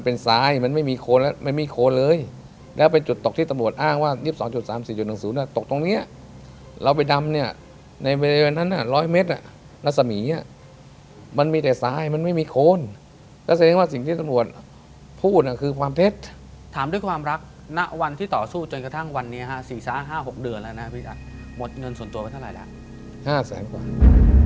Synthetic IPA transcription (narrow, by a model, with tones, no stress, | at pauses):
ma˧npe˧nsaː˧jma˧˥nma˥˩jmiː˧kʰoː˧nlɛ˦˥ma˧˥˩jmiː˧˩kʰoː˧nlɤː˧j | lɛː˦˥wpe˧nt͡ɕu˨˩t̪ːo˨k̚t̪ʰiː˥˩t̪a˧mɾu˨˩ət̪̚ʔaː˥˩ŋwaː˥˩ji˥˩p̚sɔː˩˦ŋt͡ɕu˨˩saː˩˦msiː˨˩t͡ɕu˨˩t̪̚na˨˩˦ŋsuː˩˦ni˥˩ɐt̪o˨˩k̚t̪o˧ŋni˦˥ɐ | ɾa˧wp̬a˧jda˧mni˥˩ɐ | na˧jweː˧laː˧waː˧nːa˦˥˩nːʔa˧˩lɔː˦˥˩jme˦˥t̪̚ʔa˨˩ | ɾa˦˥t̚sa˧miː˩˦a˥˧˩ | ma˧˥nmiː˧t̪ɛː˨˩saː˧jma˧˥nma˥˩jmiː˧kʰoː˧n | k̪ɛː˧˥˩sa˧˦ɛː˧ŋwaː˥˩si˨˩ŋt̪ʰiː˥˩t̪a˧mɾu˨˩ət̪̚ | pʰuː˥˩t̪̚ʔa˨˩kʰɯː˧kʰwaː˧mt̪ʰe˦˥t̪̚ | t̪ʰaː˨˩˦mdu˥˩jkʰwaː˧mɾa˦˥k̚ | na˦˥ʔwa˧nt̪ʰiː˥˩t̪ɔː˨˩suː˥˩t͡ɕo˧nka˧t̪ʰa˥˩ŋwa˧nːi˦˥ɐ˧kʰa˦˥siː˨˩saː˨˦˥ɦaː˥˩ɦo˨˩k̚dɯ˧ənlaː˧na˦˥pʰi˦˥ʔa˨˩t̪̚mo˨˩t̪̚ŋɤ˧nsu˨˩ənt̪u˧pa˧jt̪ʰa˥˩ɾa̰˨˩la̰˧˥ʔ | haː˥˩sɛ̰ː˩˦nkwa̰ː˨˩